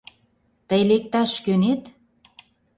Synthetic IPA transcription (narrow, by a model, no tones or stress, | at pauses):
t̪əjlek̚t̪ɑʃkønet̪